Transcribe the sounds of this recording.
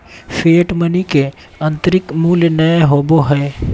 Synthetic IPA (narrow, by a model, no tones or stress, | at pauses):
fʰeːʈmənike | ɐ̃nt̪əɾɪkmuːljnɐeɦoːboɦɛː